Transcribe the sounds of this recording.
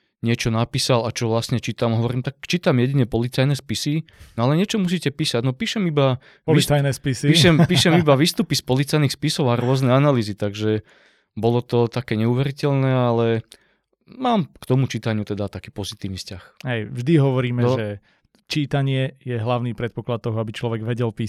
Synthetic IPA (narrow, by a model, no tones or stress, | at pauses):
ɲɪɛt͡ʃɔnapiːsalat͡ʃɔʋlasɲɛt͡ʃiːt̪amɦɔʋɔɾiːmt̪akt͡ʃiːt̪amjɛɟiɲɛpɔlit͡sajnɛspisi | nɔalɛɲɪɛt͡ʃɔmus̬iːcɛpiːsaɟnɔpiːʃɛmiba | pilist͡sajnɛspisiiʃɛmpiːʃɛmibaʋiːst̪upispɔlit͡sajnixspisɔʊaɾʊɔznɛanaliːzit̪aɡʒɛ | bɔlɔt̪ɔt̪akɛːɲɛuʋɛɾicɛlnɛːalɛ | maːmkt̪ɔmut͡ʃiːt̪aɲɪut̪ɛd̪at̪akiːpɔzit̪iːʋnifscaxɦɛjvʒd̪iɦɔʋɔɾiːmɛɔʒɛ | t͡ʃiːt̪aɲɪɛjɛɦlaʊniːpɾɛt̪pɔklat̪̚ːɔɦɔabit͡ʃlɔʋɛɡʋɛɟɛlpiː